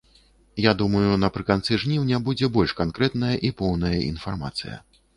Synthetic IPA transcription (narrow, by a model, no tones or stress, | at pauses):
jad̪umɐjunɐpɾɨkant̪sɨʐnʲiwnʲabud͡zʲɛbɔlʲʂkankɾɛt̪nɐjɐʔipɔwnɐjɐʔḭn̪farma̰t̪sɨ̰jɐ̰